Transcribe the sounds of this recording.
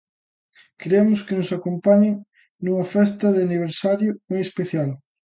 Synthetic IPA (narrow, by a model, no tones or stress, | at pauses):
keɾemʊskenʊsakompaɲeŋ | nuŋɐfɛst̪ɐðɪaniβ̞eɾsaɾjʊmojespeθjal